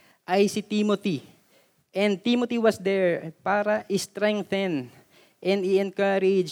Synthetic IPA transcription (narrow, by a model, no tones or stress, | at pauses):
ʔajsɪt̪imot̪i | ʔɛnd̪̚t̪imot̪iwɐsd̪ɛɹpaːɾɐʔɪst̪ɾɛ̃ŋθɛn | ʔɛnd̪ɪɛnkaɾɪd͡ʒ